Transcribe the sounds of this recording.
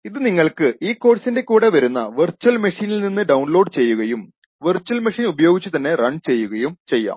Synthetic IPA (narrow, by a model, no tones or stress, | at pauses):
iðɨniŋːɐɭkɨʔiːkːo̞ːʈsinde̞kuːɽe̞ʋɐɾunːɐ̰ʋɨrt͡ɕuɐlmɐʂiːnilninːɨɖɐwɳlo̞ːɖt͡ɕe̞jːuɣɐjum | ʋɨrt͡ɕːuwɐlmɐʂiːnubɐjo̞ːɡit͡ɕːɨt̪ɐnːe̞rɐɳɖt͡ɕe̞jːuɣɐjumt͡ɕe̞jːa̰ːm